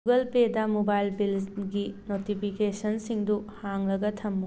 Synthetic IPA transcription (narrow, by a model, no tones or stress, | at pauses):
uɡɐlpedɐmobajlbilɡinotipʰikesɐnsiŋduhaŋlɐɡɐtʰɐmːu